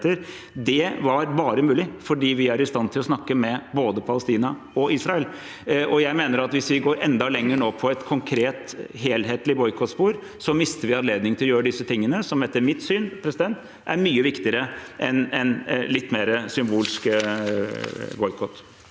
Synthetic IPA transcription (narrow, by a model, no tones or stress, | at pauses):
t̪əɾ | d̪ɛʋɑɾbɑːɾəmʉːlɪfɔɖiːʋɪæɾɪst̪ɑnt̪ʰɪlɔsnɑkːəmɛboːd̪əpʰɑləst̪iːnɑ | ɔʔiːsɾɑɛl | ʔɔjæɪmeːnəɾɑt̪ʋɪsʋɪɡoːɾʔɛ̰nd̪ɑlɛŋːəɳoːpʰɔɛt̪kʰɔŋkʰɾeːt̪ɦeːlɦeːt̪lɪbɔʏkʰɔt̪spuːɾ | sɔmɪst̪əɾʋɪɑnleːd̪nɪŋt̪ɪlɔjøːɾəd̪ɪsːət̪ʰɪŋːənəsɔmɛt̪ːəɾmɪt̪syːnpʰɾɛsɪd̪ɛnt̪ | ʔæ̰ɾmyːəʋɪkt̪ɪəɾəʔɛnɛnlɪt̪ːmeːɾəsʏmbuːlskə | bɔʏkʰɔt̪ː